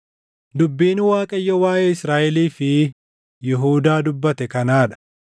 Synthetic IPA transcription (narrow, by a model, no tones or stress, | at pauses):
d̪ʊbːiːnwaːkʼɐjːɐwaːʔeːɪsɾaːʔɛliːfɪ | jɛɦuːd̪aːd̪ʊbːɐt̪ɛkɐnaːᶑɐ̥